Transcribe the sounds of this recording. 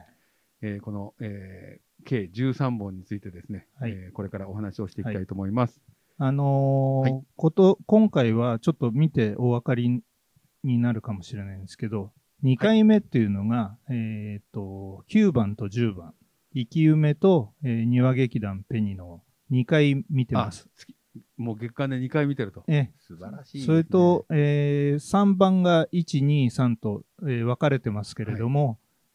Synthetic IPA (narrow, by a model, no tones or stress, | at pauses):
eːko̞no̞eː | kʰe̞ːd͡ʑɨːsãmbõ̞ɲ̟ːit͡sɨit̪e̞d̪e̞sɨne̞haiko̞ɾe̞kaɾao̞ɦanaɕio̞ɕi̥t̪ekat̪ait̪omo̞imasɨ̥ | ano̞ | ko̞t̪okõ̞ŋkaiβ̞at͡ɕo̞t̪ːo̞mʲit̪e̞ʔo̞βakaɾʲi | ɲ̟inaɾɯ̟kamo̞ɕiɾe̞naĩnesɨ̥ke̞d̪o | ɲ̟ikaime̞t̪ːe̞ɯ̟no̞ɡaeːt̪ːo̞kʲɨːbãnt̪o̞ʑɨːbã̰ | ikʲiɯ̟me̞t̪o̞eːɲ̟iβaɡe̞kʲid̪ãmpe̞ɲ̟ino̞ | ɲ̟ikaimʲit̪e̞masɨ̥t͡sʲ | moːɡe̞kːãnd̪eɲikaimʲit̪e̞ɾɯ̟t̪oesasoɾet̪o̞eːsãmbãŋɡait͡ɕiɲ̟iːsãnt̪o̞ | eːβakaɾe̞t̪e̞masɨ̥ke̞ɾe̞d̪o̞mo̞